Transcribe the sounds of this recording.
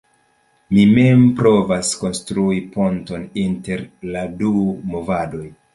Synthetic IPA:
mime̞mpɾo̞vasko̞nstɾuiponto̞ninte̞ɾladumo̞vado̞j

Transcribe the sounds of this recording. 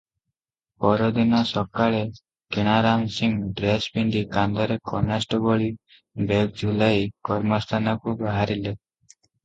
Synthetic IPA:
pɔɾɔd̪inɔsɔkaɭe | keɽ̃aɾamsiŋɖɾesbiɳɖikand̪ɔɾekɔnasʈɔbɔɭi | bek̚d͡ʒulajkɔɾmɔst̪ʰanɔkubaɦaɾile

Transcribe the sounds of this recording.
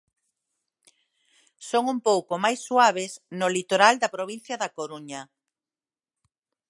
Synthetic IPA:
soŋumpowkomajsːwaβ̞esnʊlit̪oɾald̪ɐpɾoβin̟θjɐðakoɾuɲɐ

